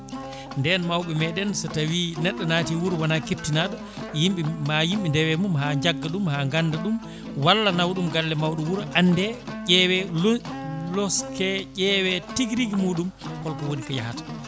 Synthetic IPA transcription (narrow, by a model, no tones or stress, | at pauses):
ndɛnmawɓɛmɛɗɛnsɔtawinɛɗːɔnaːtiwuɾwanakep̚tinaɗɔ | jimɓimajimɓindɛwɛmumhaɲd͡ʒaɡːaɗumhaːŋɡanːdaɗum | walːanawɗumɡalːɛmawɗumwuɾʔanːdɛʄɛwɛ | lɔskɛʄɛwɛtiɡɾiɡimuːɗumkɔlkɔwoɗikaja̰hatḁ